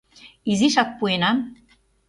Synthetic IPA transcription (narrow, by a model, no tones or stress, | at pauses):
iziʃak̚puena